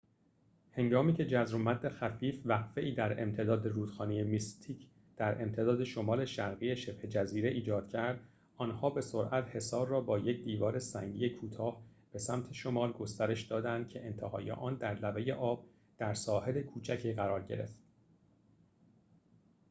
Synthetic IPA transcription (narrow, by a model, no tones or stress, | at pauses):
he̞ŋɡɒːmiːcʰe̞d͡ʒæzɾomæd̪ːe̞xæfiːfvæqfe̞ʔiːd̪æɾe̞̰mt̪ʰe̞d̪ɒːd̪e̞ɾuːd̪̥xɒːneje̞mist̪ʰiːcʰ | d̪̥æɾʔe̞̰mt̪ʰe̞d̪ɒːd̪e̞ʃo̞mɒːle̞ʃæɾɣiːeʃe̞b̥he̞d͡ʒæziːɾe̞ʔiːd͡ʒɒːd̪̥̚cʰæɾd̪̥ | ʔɒːnhɒːbe̞so̞ɾʔæt̪he̞sɒːɾːɒːbɒːje̞cʰd̪iːvɒːɾesæŋɟḭjekʰuːt̪ʰɒːhb̥e̞sæmt̪ʰe̞ʃo̞mɒːlɡo̞st̪æɾe̞ʃd̪ɒːd̪ænd̪̥̚cʰe̞ʔent̪ʰehɒ̰ːjḛʔɒːnd̪æɾlæve̞je̞ʔɒːb̥̚ | d̪̥æɾsɒːhe̞le̞kʰuːt͡ʃʰæcʰiːɣæɾɒːɾɟe̞̰ɾe̞̰ft̪